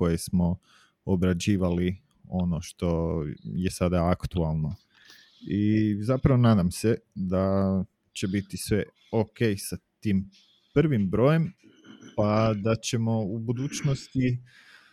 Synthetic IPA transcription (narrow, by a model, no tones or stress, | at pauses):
ko̞jesmo̞ | obɾad͡ʑiːʋali | o̞no̞ʃt̪o̞je̞sad̪aakt̪ualˠno̞ | izapɾaʋo̞naːd̪amsed̪a | t͡ɕe̞bit̪isʋe̞ | okejsat̪iːm | pr̩ʋimbɾo̞ːje̞m | pad̪at͡ɕe̞mo̞ubud̪uːt͡ɕnost̪i